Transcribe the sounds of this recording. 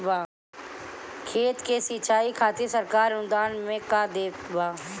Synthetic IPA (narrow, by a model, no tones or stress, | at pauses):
baː | kʰeːt̪kesiːt͡ʃʰaːikʰaːt̪isəɾkaːɾʊnd̪aːnmẽkad̪eːkbaː